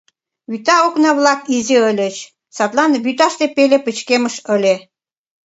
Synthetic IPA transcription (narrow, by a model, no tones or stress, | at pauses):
βyt̪ɑoknɑβlɑkizeə̆lʲə̆t͡ɕ | sɑt̪lɑnβyt̪ɑʃt̪epelʲepə̆t͡ɕkemə̆ʃə̆lʲe